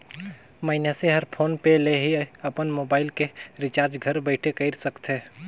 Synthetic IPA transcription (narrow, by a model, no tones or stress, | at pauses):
məɪnjaseɦəɾpʰoːnpeleɦiəpənmoːbaːɪlkeɾɪt͡ʃaːɾd͡ʒɡʱəɾbəɪʈʰekəɪɾsəkt̪ɦeː